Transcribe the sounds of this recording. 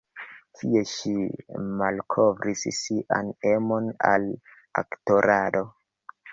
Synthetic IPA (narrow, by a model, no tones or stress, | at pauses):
tʰie̞ʃimalkʰo̞vɾissiʔa̰nemo̞na̰l | a̰kto̞ɾʔado̞